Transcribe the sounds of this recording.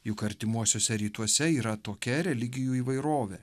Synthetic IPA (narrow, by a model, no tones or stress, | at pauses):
jʊkɐɾʲt̪ʲɪmuɔsʲoːsʲɛɾʲiːt̪uɔsʲɛiːɾɐt̪oːkʲɛɾʲɛlʲɪɡʲɪjuːiːʋɐɪɾoːʋʲe